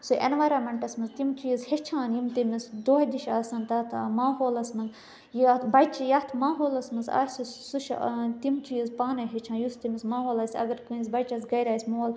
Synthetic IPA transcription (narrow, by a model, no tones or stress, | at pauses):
suʔḛnʋaːjɾaːmeɳʈɐsmɐnzt̪imt͡ʃujizhet͡ʃʰãːnjimt̪imisd̪oːhd̪iʃaːsɐnt̪ɐt̪ʰmaːɦoːlɐsmɐnz | jt̪ʰbɐjt͡ʃijɐt̪ʰmaːɦoːlɐsmɨnza̰ːsusuʃt̪imt͡ʃujizpaːnɐɦet͡ʃʰaːnjust̪imismaːɦoːlɐːsʲɐ̰ɡɐɾkuːnʲzbɐt͡ʃɐsɡɐjɾaːsʲmoːl